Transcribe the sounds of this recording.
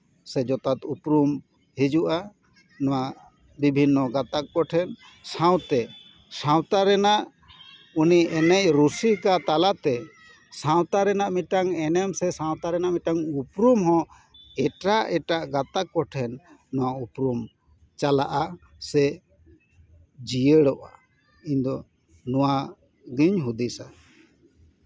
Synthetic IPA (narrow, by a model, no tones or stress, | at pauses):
sɛd͡ʒɔt̪at̪upɾum | hid͡ʒuʔa | nɔwaʔ | bibʱinːɔɡat̪ak̚ːɔʈʰɛn | sãw̃t̪ɛ | sãwt̪aɾɛnaʔ | uniɛnɛcɾusikat̪alat̪ɛ | sãw̃t̪aɾɛnaʔmiʈaŋɛnɛmsɛsãw̃t̪aɾɛnaʔmiʈaŋupɾumɦɔ̃ | ɛʈaʔɛʈaʔɡat̪akɔʈʰɛnːɔwaupɾum | t͡ʃalaʔa | sɛ | d͡ʒijəɽɔʔa | iɲd̪ɔ | nuwa | ɡiɲɦud̪isa